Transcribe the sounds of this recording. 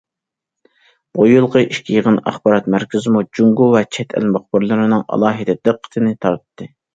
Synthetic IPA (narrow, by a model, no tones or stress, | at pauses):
bojulˠqəʔiʃkʲʰijəʁənɑ̰χbɑɾɑt̪̚mæɾkʲɪzɨmud͡ʒuŋɡuwɛt͡ʃʰɛt̪ʰæ̰lmɑχbɨɾlˠɨɾɨnɨŋɑ̰lˠɑːɦɨd̪ɛd̪ɨqʰːə̥t̪ʰɨnɨt̪ʰɑɾt̪ʰɨ̥t̪ʰːɨ